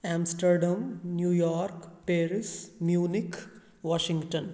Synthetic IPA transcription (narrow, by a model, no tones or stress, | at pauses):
ãːmsʈəɾɖãmnjuːjɔːɾkpeːɾismjuːnik | ʋɔːʃĩŋɡʈə̃n